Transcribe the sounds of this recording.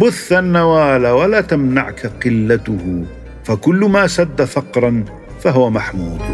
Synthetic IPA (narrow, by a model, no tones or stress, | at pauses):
bʊθːanːawaːlawalaːt̪amna̰ʕkaqɪlːat̪ʊhʊ | fakʊlːʊmaːsad̪ːafɑqɾˤɑn | faɦʊwamaħmuːd̪